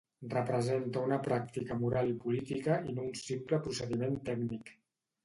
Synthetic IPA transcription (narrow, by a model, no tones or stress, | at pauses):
rəpɾəzent̪əunəpɾak̚t̪ikəmuɾalipulit̪ikəinounsimpləpɾusəðiment̪ɛkɡnik